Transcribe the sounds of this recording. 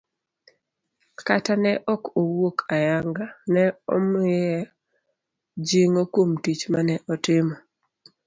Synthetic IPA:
katanɛʔɔkowokʰajaŋɡanɛɔ̰mɪɛ | d͡ʒiŋokwomtit͡ʃmanɛʔɔtɪmɔ

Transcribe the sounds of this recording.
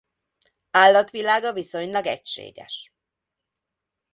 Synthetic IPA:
aːlːɒt̪ʋilaːɡɒviso̞ɲlɒɡɛ̰cʃḛːɡɛ̰ʃ

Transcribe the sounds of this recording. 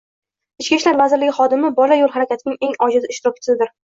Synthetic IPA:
ɪt͡ʃkʲiʃlaɾvazɪɾlɪɡʲɪχɒd̪ɪmɪbɒlajolˠɦaɾakʲat̪ʰɪnɪŋe̞ŋɒd͡ʒɪd̪aɪʃt̪ɪɾɒpʰʲɪ̥t͡ʃ̪ʰɪzɪd̪ɪɾ

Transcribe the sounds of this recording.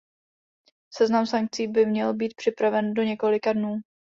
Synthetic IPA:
sɛznamsaŋk̚t͡siːbɪmɲɛlbiːt̪̚pr̥ɪpɾavɛndo̞ɲɛko̞lɪkadnuː

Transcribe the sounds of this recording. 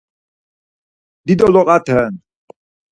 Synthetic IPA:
d̪id̪ɔlɔqʼat̪ʰɛn

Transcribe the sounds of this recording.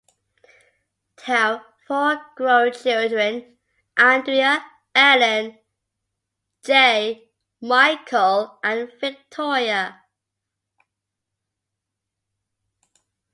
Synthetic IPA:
tʰɛl | fɔːɡ̥ɹoʊnt͡ʃʰɪlˠdɹə̃n | ʔãndɹiə | ɛlə̃n | d͡ʒe | maɪkʰəlʔə̃nvɪk̚tʰɔɹiə

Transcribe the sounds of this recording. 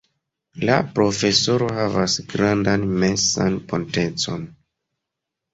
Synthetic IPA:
lapɾo̞fe̞so̞ɾo̞ɦavasɡɾandanme̞sanpo̞nte̞t͡so̞̰n

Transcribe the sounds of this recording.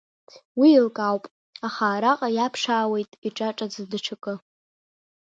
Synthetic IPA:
wiːlkʼawpʼ | aχaːɾaqʼajapʰʂaːwe̞jtʼiʈ͡ʂʼaʈ͡ʂʼad͡zɨdɨʈ͡ʂʰakʼɨ

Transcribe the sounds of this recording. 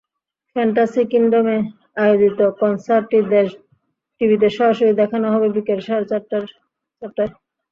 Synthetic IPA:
fʰɛɳʈasikinɖome | ajod͡ʑit̪okɔnsaɾʈːid̪eʃ | ʈibʱit̪̬eʃɔɦoʃoɾid̪ɛkʰanoɦɔbebikelʃaɾɾ | t͡ɕapt̪ːaɾ

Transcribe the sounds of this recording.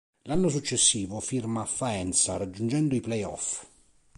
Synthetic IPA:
lanːosut͡ʃːesːiːvofirmaːfːaɛnt̪saɾad͡ʒːund͡ʒɛnd̪ʊiplɛjɔ̰f

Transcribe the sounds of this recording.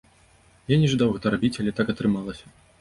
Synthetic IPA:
janʲɛʐɨd̪awɣɛt̪ɐɾabʲit͡sʲalʲɛt̪akɐt̪ɾɨmalˠɐsʲɐ̥

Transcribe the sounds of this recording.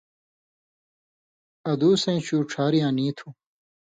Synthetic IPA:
ɐd̪uːsẽːɕuːʈ͡ʂʰaːɾijãːniːt̪ʰũ

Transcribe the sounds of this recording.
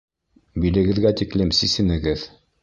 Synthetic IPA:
bilɘ̆ɡɘ̆ðɡæt̪iklɘmsisɘ̆nɘ̆ɡɘð

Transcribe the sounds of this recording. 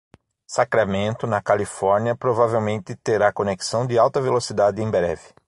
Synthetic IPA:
sakɾamẽnt̪ʊnɐkalifɔɾniɐpɾovavewmẽnt̪ɪt̪eɾakoneksɐ̃w̃d̪ɪawt̪ɐvelosid̪ad̪ɪẽj̃bɾɛ̰vɪ

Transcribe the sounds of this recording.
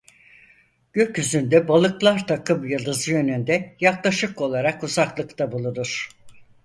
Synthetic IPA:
ɟ̥ø̞cyzynd̪ɛbalˠɯklˠaɾt̪ʰakʰɯmjɯlˠd̪ɯzɯjø̞nynd̪ɛjaklˠaʃɯko̞lˠaɾakuzaklˠɯkt̪ʰabulˠunuɾ̝̥

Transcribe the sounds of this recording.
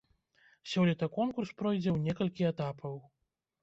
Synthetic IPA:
sʲɔlʲit̪ɐkɔnkurspɾɔjd͡zʲɛwnʲɛkɐlʲkʲiɛt̪apʰɐw

